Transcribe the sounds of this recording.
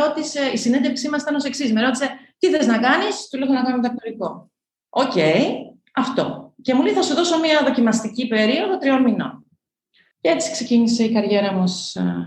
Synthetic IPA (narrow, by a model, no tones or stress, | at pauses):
o̞t̪ise̞isinend̪efksimɐsi̥t̪ɐno̞seksismeɾo̞t̪ise̞t̪iθeznɐkɐnist̪ulexonɐkɐnomt̪ɐkt̪oɾiko̞ | oce̞i | ɐft̪o̞̰cemuleθɐsuðo̞so̞miɐðo̞cimɐst̪icipe̞ɾio̞ðot̪ɾio̞nmino̞̰n | cee̞t͡si̥kse̞cinise̞ikɐɾʝe̞ɾɐmus